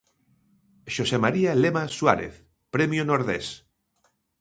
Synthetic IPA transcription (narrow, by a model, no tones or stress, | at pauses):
ʃosemaɾialemaswa̰ɾḛθ | pɾemjonoɾðḛs